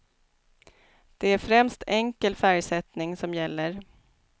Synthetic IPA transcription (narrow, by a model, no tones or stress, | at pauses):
d̪̥ɛæɾfɾɛmst̪ʰɛŋkəlfæɾjsɛt̪nɪŋsɔmjɛlːəɾ